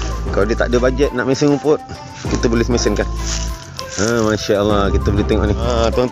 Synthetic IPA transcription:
kaladiət̪a̰ʔdəbad͡ʒət̪̚naʔmesɪnupʊt̪̚ | kit̪əbolɪsmesɪnkan | əmaʃaəlːahkit̪əbəliht̪eŋɔ̰ʔnɪat̪ɔŋ

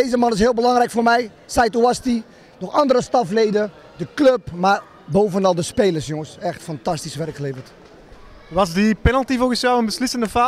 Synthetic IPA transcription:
ejzəmɑnɪs̬hɪːlˠbəlɑŋrɛjkfoːrmɛj | sɛjtuasti | nɔxɑndəɾəstɑfleːdə | dəkløpmar | bowvənɑlˠdəspeːləsjɔŋəsɛxtfɑntɑstisʋɛrkxəleːvərt | ʋɑsdipɛnəlˠtivolɣəsjɛwənbəslɪsəndəfaː

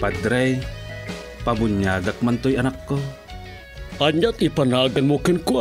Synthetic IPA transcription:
pad̪ɾaj | pabʊɲːaːɡak̚mant̪ojɐnakːo | ʔaɲat̪ipɐnaɡɐnmokɪnkʊ

